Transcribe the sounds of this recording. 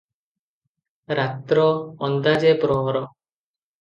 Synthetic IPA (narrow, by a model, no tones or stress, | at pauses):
ɾat̪ɾɔɔnd̪ad͡ʒepɾɔɦɔɾɔ